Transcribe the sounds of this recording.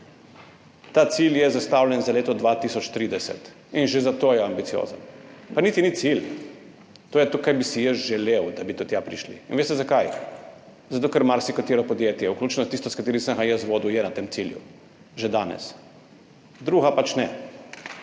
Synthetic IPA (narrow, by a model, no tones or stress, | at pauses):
t̪at̪siljɛzast̪awljɛnzaleːt̪ɔd̪ʋat̪isɔt͡ʃt̪ɾiːd̪ɛsɛ̰t̪ | inʒezat̪oːjɛambit̪sijo̰zə̰npanit̪init̪sil | t̪oːjɛt̪ukajbisijəsʒɛlewd̪abit̪ot̪japɾiʃlḭːnʋeːst̪ɛzakaj | zat̪oːkəɾmaɾsikat̪eɾɔpɔd̪jeːt̪jɛwkluːt͡ʃnɔt̪ist̪ɔskat̪eːɾisəŋxajəsʋoːd̪ujɛnat̪eːmt̪siljṵ | ʒed̪aːnɛ̰s | d̪ɾuːɣapat͡ʃnɛ